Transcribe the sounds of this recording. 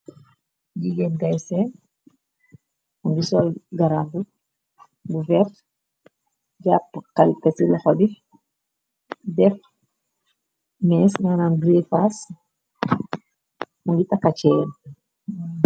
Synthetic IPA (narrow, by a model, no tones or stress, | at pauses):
ɟiɡɛnɡajsɛn | muŋɡisɔlɡaɾambu | buvɛrt | ɟapːkalkɛtilɔxɔdi | dɛf | mɛsnananɡɾifas | muŋɡitakːat͡ʃɛːn